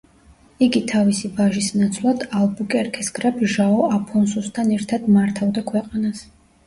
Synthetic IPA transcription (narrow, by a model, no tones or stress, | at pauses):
iɡit̪ʰavisibaʒisnat̪sʰlˠad̪alˠbukʼɛɾkʰɛsɡɾapʰʒaɔapʰɔnsust̪ʰanɛɾt̪ʰad̪maɾt̪ʰavd̪akʰwɛqʼanas